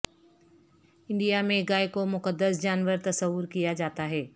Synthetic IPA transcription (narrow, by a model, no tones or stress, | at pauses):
ɪ̃ɳɖijamẽɡaːekomʊkəd̪ːəsd͡ʒaːnʋəɾt̪ɐsəʋːʊɾkijad͡ʒaːt̪aɦɛː